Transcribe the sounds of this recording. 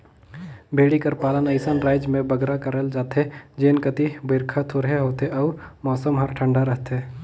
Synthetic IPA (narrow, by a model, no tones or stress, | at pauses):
bʱeːɽikəɾpaːlənəɪsənɾaːɪd͡ʒmẽbəɡɾakəɾəld͡ʒaːt̪ɦed͡ʒeːnkət̪ibəɾkʰat̪ʰoɾɦeɦoːt̪eɔːɾmɔːsəmɦəɾʈʰə̃ɳɖaɾəɦt̪eː